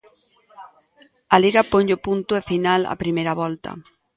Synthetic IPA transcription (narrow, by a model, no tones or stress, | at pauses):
aliɣapoɲopunt̪ʊefinala̰pɾimejɾaβɔlt̪ɐ̰